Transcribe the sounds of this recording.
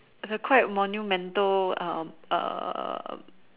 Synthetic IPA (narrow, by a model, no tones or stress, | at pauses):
ɪsəkʰwajɛt̚mɔnjumɛ̃ntəlã̰mʔə̰